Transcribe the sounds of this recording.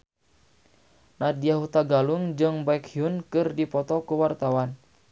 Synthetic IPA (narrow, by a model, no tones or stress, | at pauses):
nadiaɦut̪aɡaluŋd͡ʒɨŋbaikhiunkɨrdipɔt̪ɔkuwart̪awan